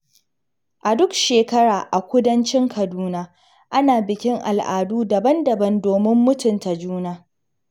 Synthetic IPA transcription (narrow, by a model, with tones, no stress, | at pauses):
ʔa˨dʊ˦kʃeː˨kɐ˦ɽaː˨ʔa˨kʷʊ˦dɐ˦nt͡ʃɪ˦ŋkʰɐ˨duː˦naː˦ | ʔa˦naː˨bɪ˨kʲɪ˦ŋʔa̰˨lʔaː˨duː˦dɐ˨bɐ˦ndɐ˨bɐ˦ndoː˨mɪ˦mːʊ˦tʊ˨nta˨d͡ʒuː˦naː˦